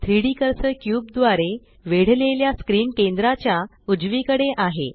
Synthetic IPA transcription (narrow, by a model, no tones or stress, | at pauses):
t̪ʰɾiɽikəɾsəkjuːb̚d̪ʋaɾe | ʋeɽ̤leljaskɾiːmkend̪ɾat͡ɕja | ud͡zʋikəɽeʔaɦḛ